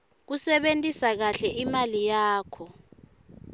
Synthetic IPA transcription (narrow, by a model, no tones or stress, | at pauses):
k̬usɛɓentʼisak̬aɬɛimalijaːkʰɔ